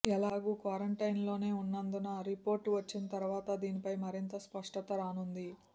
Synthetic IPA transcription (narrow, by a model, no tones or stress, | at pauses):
ɛlaːɡuːkʋaːɾɐɳʈɐjnlo̞ːne̞ːunːɐnd̪unɐɾipo̞ːɾʈʋɐt͡ʃːinɐt̪ɐɾuʋaːt̪ɐd̪iːnipɐjmɐɾint̪ɐspɐʂʈɐt̪ɐɾaːnund̪i